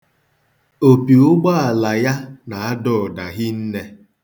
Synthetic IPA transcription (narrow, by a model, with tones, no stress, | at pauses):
o˨pi˨ʊ˦ɡ͡ba˦a˨la˨ja˦na˨a˦dɔ˨da˨ɣi˦n̩˦ne˦